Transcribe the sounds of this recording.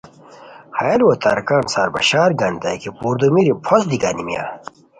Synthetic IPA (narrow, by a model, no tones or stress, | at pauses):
hajɐlwot̪a̰ɾkaːnsaːɾbɐ̰ɕaːɾɡɐnd̪akʰipuːɾd̪omiɾipʰosd̪iɡa̰nimja̰